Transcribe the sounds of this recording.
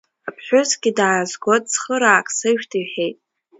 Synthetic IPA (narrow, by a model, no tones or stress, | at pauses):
apʰħʷᶣʊzɡʲidaːzɡʷotʼsχəɾaːkʼsɨʒᶣtʰɨɥħejtʼ